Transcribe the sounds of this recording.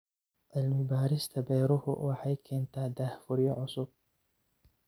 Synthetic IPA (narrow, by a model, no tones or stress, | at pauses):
ʔɐlmʊbaːɾɪst̪ʰɐbɛjɾʊhʊ̰wɑħɑjkʰɛːnt̪ʰaːd̪aːhfʊɾɪjɔʕʊsʊb̚